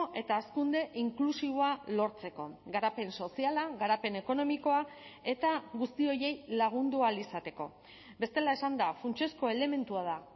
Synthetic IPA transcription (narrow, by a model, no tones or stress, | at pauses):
ʔe̞t̪aːskund̪e̞ʔiŋklusiβo̞alo̞ɾt͡se̞ko̞ɡaɾape̞nso̞sialaɣaɾape̞ne̞ko̞no̞miko̞ae̞t̪aɣust̪io̞je̞jlaɣ̞und̪ualisat̪e̞ko̞̰ | be̞st̪e̞lae̞sand̪afunt͡ʃesko̞e̞le̞me̞nt̪uað̞a